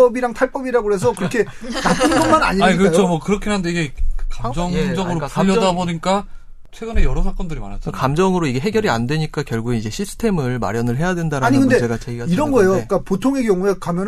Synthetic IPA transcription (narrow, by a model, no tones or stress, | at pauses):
ʌbiɾaŋtʰaɭp͈ʌbiɾaɡoɦe̞sʰʌkɯɾʌkʰe̞ | nap͈ʰɯnnɡʌnmana̰ɲiaɲikɯajt͡ɕʰomʌkɯɾʌkʰeɦandeiɡe̞kamd͡ʑʌŋŋd͡ʑʌɡɯɾokajʌdaboɲik͈a | t͡ɕʰwe̞ɡɯnejʌɾʌsʰak͈ʌndɯɾimanɦaikamd͡ʑʌŋɯɾoiɡe̞ɦe̞ɡjʌɾiandwe̞ɲik͈akjʌɭɡuɡeid͡ʑe̞ɕʰisʰɯ̥tʰe̞mɯɭma̰ɾjʌnɯɭɦe̞jadwe̞ndaɾaaɲiɡɯnde̞d͡ʑe̞ɡat͡ɕʰeɡiaiɾʌnɡʌe̞jok͈apotʰoŋe̞ɡjʌŋue̞kamjʌn